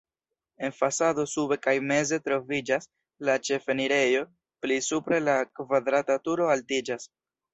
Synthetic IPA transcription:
e̞nfasado̞sube̞kajme̞ze̞tɾo̞vid͡ʒas | lat͡ʃe̞fe̞niɾe̞jo̞ | plisupɾe̞lakvadɾatatuɾo̞altid͡ʒas

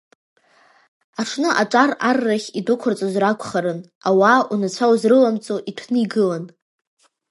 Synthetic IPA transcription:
aʈ͡ʂʰnɨʔaʈ͡ʂʼararːaχʲidʊkʷʰʊrt͡sʷʼozrakʷʰχaɾɨn | awaunat͡ɕʷʰawzrɨlamt͡sʼoʔitʷʰnɨiɡɨlan

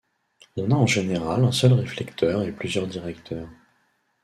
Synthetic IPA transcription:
ɔ̃naɑ̃ʒeneʁalɛ̃sœlʁeflɛkt̪ʰœʁeplyzjœʁd̪iʁɛkt̪ʰœːʁ

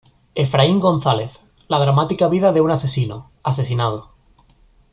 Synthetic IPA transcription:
e̞fɾaiŋɡo̞n̟θale̞θ | lað̞ɾamat̪ikaβ̞iðaðe̞unase̞sino | as̬e̞s̬inað̞o

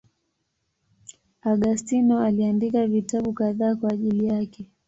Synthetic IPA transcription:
aɠastinɔaliandikavitaɓukaðaːkwaːʄilijakɛ

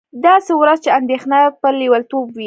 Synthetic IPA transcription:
d̪ɑsewɾazt͡ʃeand̪exnapəliwalt̪obwi

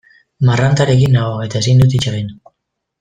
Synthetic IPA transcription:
marant̪aɾe̞kinːaoe̞t̪ae̞sind̪ut̪it͡ʃaɣin

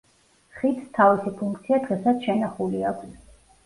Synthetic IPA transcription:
χit̪st̪ʰavisipʰuŋkʰt̪sʰiad̪ʁɛsat̪sʃɛnaχuliaɡ

